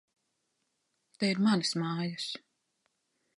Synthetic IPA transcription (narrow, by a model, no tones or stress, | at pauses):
t̪eiɾmanɨsmaːjas